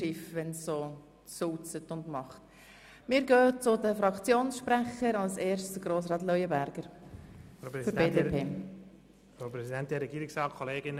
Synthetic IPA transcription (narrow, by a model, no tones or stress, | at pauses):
ɪfʋɛnsːoː | suːt͡sətʊndmɑχt | mɪːɾɡøːt͡sʊdəfɾɑkt͡sjoːnsʃpɾæχəɾɑlseːrʃtəɡ̥ɾoːs̬ɾɑːtlœʏjəbæɾɡ̥əɾ | fəɾbeːdepʰeː | fɾopɾɛzidɛnt̚d̥ɛɾɛɡiːɾɪksɑːkʰoleːɡɪn